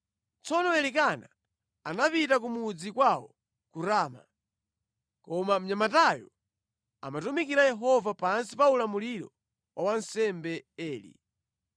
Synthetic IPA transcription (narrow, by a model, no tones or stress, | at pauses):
t͡sɔnɔɛlik̬ana | anapitak̬umud͡zikwawɔ | kuɾaːma̰ | kɔmam̩ɲamatajɔ̰ | a̰matumikiɾajɛɦɔvapansipaulamuliɾɔ̰ | wʔawansɛmbɛɛːlḭ